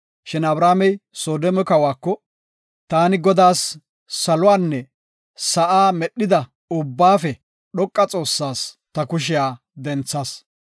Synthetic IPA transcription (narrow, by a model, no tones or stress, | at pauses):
ʃɪnɐbɾaːmɛjsoːd̪ɔmɔkɐwaːkːɔ | t̪aːnɪɡɔd̪aːsː | ɐlʊwaːnːɛ | sɐʔaːmɛɗːɪd̪ɐ | ʊbːaːfɛ | ɗɔkʼːɐt͡sʼo̞ːsːaːs | t̪ɐkʊʃ̬ɪjaː | d̪ɛnt͡sːaːs